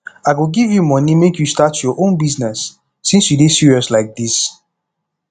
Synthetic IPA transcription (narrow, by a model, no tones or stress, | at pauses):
aɪɡoɡivjumɔnimekjustatjɔʔõnbiznɛsː | ĩnsjudesiɹiɔslaɪk̚dis